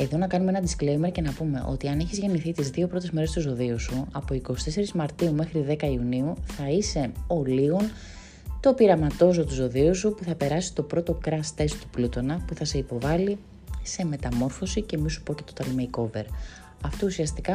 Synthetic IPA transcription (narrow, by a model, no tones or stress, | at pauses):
e̞ðo̞nɐkɐnumeenɐd̪isklejme̞ɾce̞nɐpume̞̰ʔo̞̰t̪iɐneçizʝe̞niθit̪izðio̞pɾo̞t̪ezme̞ɾe̞st̪uzo̞ðiusuɐpo̞iko̞st̪e̞se̞ɾizmɐɾt̪iume̞xɾiðe̞kɐiuniuθɐise̞o̞liɣo̞n | t̪o̞piɾɐmɐt̪o̞zo̞t̪uzo̞ðiusupuθɐpe̞ɾɐsi̥t̪o̞pɾo̞t̪o̞kɾɐst̪e̞st̪u̥plut̪o̞nɐpuθɐse̞ipo̞vɐli | se̞me̞t̪ɐmo̞ɾfo̞sice̞misu̥po̞ce̞t̪o̞̥t̪ɐlmeiko̞ve̞ɾ | ɐft̪o̞usiɐst̪ikɐ